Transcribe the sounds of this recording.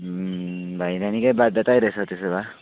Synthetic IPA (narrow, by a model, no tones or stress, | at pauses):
bʱajnanikajbad̪ʱʌt̪ajɾʌesʰʌt̪eseba